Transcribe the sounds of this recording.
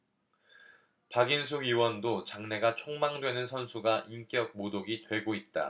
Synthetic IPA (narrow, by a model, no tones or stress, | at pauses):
paɡins̬ʰuɡɥiwʌndot͡ɕaŋne̞ɡat͡ɕʰoŋmaŋdwe̞nɯnsʰʌnsʰuɡaʔimk͈jʌk̚modoɡitwe̞ɡoit̚t͈a̰